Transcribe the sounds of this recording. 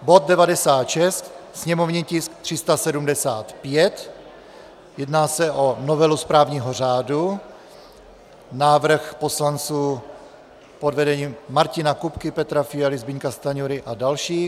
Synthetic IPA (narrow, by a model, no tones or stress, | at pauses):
bo̞t̪̚dɛvadɛsaːt̪ʃɛst̪sɲɛmovɲicɪsk̚t̪r̥ɪst̪asɛdumdɛsaːt̪pjɛt̪ | jɛdnaːsɛʔonovɛluspɾaːvɲiːɦor̝aːdu | naːvr̩xpo̞slant͡suː | podvɛdɛɲiːmmaɾcɪnakupkɪpɛt̪ɾafɪjalɪzbɪɲkast̪aɲuɾɪʔadalʃiː